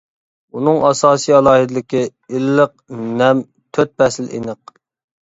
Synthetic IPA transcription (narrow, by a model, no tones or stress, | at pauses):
unɨŋɑsɑːsijɑlˠɑːɦid̪ɪlɪkʲɪ | ilːəq̚nɛm | t̪ʰøt̪̚bɛsɪlḛnəq̚